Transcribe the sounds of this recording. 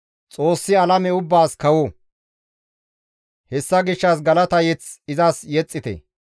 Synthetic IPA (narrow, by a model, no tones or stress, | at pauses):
t͡sʼo̞ːsːɪɐlɐmɛʊbːaːskɐwo | hɛsːɐɡɪʃːɐs̬ɡɐlɐt̪ɐjɛt͡sɪzasjɛt͡sʼːɪt̪ɛ̰